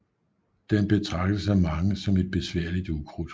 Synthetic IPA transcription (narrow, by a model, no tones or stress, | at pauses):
d̥enb̥e̝t͡sʰʁɑ̈ɡ̥̚d̥əsæmɑ̈ŋəsɒ̽me̝d̥̚b̥e̝sʋæɐ̰lid̥ukʰʁud̥